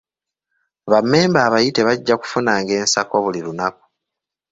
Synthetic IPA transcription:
βamːe̞ːmbaːβajite̞βaɟːaku̥funaːŋɡe̞ːnsako̞βuliɾunaku̥

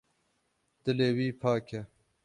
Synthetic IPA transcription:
d̪̥ɨleːwiːpʰaːkʰe

